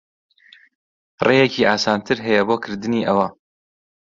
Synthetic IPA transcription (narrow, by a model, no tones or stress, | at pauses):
rʔejecʰiːʔaːsaːnt̪ʰɨɾɦɐjɐboːkʰɨɾd̪ɨniːʔɐwɐ